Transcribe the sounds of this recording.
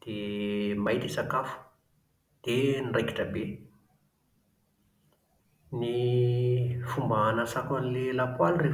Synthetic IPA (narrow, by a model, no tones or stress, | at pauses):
d̪̥emajt̪isakafu̥ | d̪̥enirajki̥ʈ͡ʂəbe | ni | fumbanəsakanilelapwalre